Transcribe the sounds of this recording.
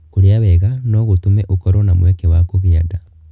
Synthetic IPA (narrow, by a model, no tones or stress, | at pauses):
koɾeaβɛɣanɔɣotumɛʔokɔɾɔnamwɛkewakoɣeada